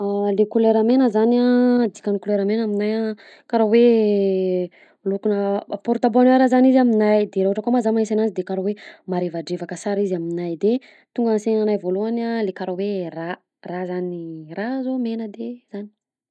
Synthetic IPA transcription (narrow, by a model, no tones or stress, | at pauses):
alekuleɾamenəzanad̪i̥kanikuleɾamenaminaja | kaɾowe | lukunəpɔɾt̪aboneɾazanizaminajd̪eɾaɦuʈ͡ʂəkamazamanesanazid̪ekaɾowemaɾevaɖ͡ʐevakəsaɾizaminajd̪e | t̪uŋɡansenanajvoluanalekaɾowera | razanirazomenəd̪ez̥ani̥